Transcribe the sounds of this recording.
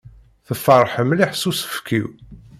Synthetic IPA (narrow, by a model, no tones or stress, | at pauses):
θəfːɑɾˤħəmliħsusə̥fkḭw